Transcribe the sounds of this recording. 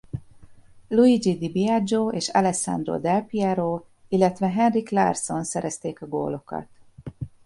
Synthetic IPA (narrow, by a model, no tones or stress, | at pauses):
luid͡ʒid̪ibiad͡ʒoːeːʃɑ̰lɛsa̰nd̪ro̰ːd̪ɛlpiɛɾoː | ilːɛt̪ʋɛɦɛnrikla̰rso̞nsɛɾɛst̪eːkɒɡo̰ːlo̞kɒ̰t̪